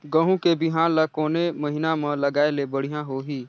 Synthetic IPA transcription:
ɡəɦũkebɪɦãːnlakoːneməɦɪnamãləɡaːelebəɽ̤ijãɦoːɦiː

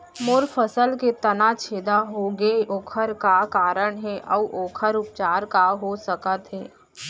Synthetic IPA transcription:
moːɾfʰəsəlket̪ɐnat͡ʃʰeːd̪aɦoɡeʔoːkʰəɾkakaːɾəɽɦɛʔɔʔoːkʰəɾʊp̚t͡ʃaːɾkaɦosəkət̪ɦɛː

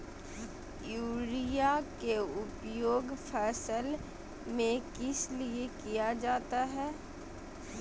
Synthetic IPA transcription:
juːɾijakeʊpjoːɡfʰɛːsəl | mẽkɪsliekijad͡ʒaːt̪aɦɛː

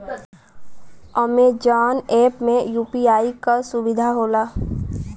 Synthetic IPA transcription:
əmed͡ʒaːneːpmẽjuːpiaːikasʊbɪd̪ʱaɦoːlaː

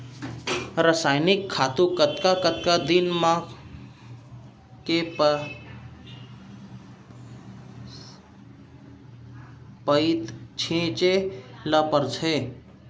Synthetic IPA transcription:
ɾəsajnikʰːat̪ukət̪kakət̪kad̪inmã | kep | pəit̪t͡ʃʰĩt͡ʃeləpəɾt͡ʃʰe

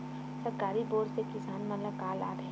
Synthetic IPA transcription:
səɾkaːɾiboːɾsekɪsaːnmələkaːla̰ːʈɦɛ

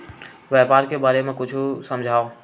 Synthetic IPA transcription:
ʋjɛːpaːɾkebaːɾemẽkʊt͡ʃʰsɐ̃md͡ʒʱaːo

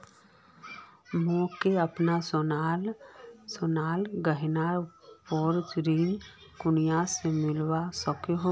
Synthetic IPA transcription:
mõːkeəpnaslsonaːlɡəɦɪnaːɾpɔːɾd͡ʒɾiːn | kʊnijasemɪlwasəkeɦo

